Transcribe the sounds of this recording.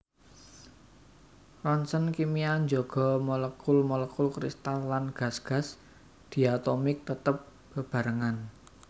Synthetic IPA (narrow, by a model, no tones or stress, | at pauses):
rɔnsənkimiaɲd͡ʒɔɡ̥ɔ̤mɔləkʊlmɔləkʊlkɾist̪alːanɡ̥a̤sɡ̥a̤s | d̪̥i̤at̪omɪk̚t̪ət̪əp̚ | b̥əb̥ä̤ɾəŋan